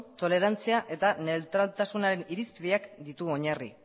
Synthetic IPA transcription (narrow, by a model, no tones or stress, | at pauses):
t̪o̞le̞ɾant͡siaʔe̞t̪ane̞lt̪ɾalt̪asunaɾe̞niɾispiðiakd̪it̪uo̞ɲarḭ